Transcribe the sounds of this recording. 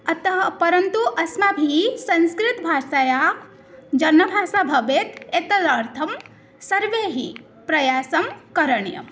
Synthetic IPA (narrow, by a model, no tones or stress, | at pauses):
ɐt̪ɐɦpɐɾɐnt̪uʔɐsmabʱisɐnskɾɪt̪bʱaːsaja | d͡ʒɐnːɐbʱaːsabʱɐʋet̪et̪ɐd̪aɾt̪ʰɐm | sɐɾʋeɦḭ | pɾɐjaːsɐmkɐɾəɳjɐ̰